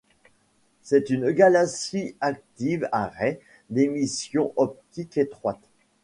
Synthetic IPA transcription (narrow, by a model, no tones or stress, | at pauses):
sɛt̪ynɡalaksiak̚t̪ivaʁɛ | d̪emisjɔ̃ʔɔp̚t̪iket̪χwat̪